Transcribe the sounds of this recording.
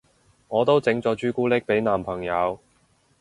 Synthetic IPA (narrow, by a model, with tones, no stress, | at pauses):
ŋɔː˨˧t̪o˥wt͡sɪ˨˧˥ŋt͡sɔː˨˧t͡ʃyː˥kuː˥lɪ˥k̚pe˨˥jnaː˨˩mpʰɐ˨˩ŋjɐ˨˧w